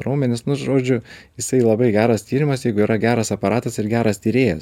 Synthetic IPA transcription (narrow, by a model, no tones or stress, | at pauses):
ɾoːmʲɛnʲɪsnʊsʒoːd͡ʒʲʊjɪsɐɪlˠɐbɐɪɡʲæːɾɐst̪ʲiːɾʲɪmɐsjɛɪɡʊiːɾɐɡʲæːɾɐsɐpɐɾɑːt̪ɐsɪɾɡʲæːɾɐst̪ʲiːɾʲeːjɛ̰s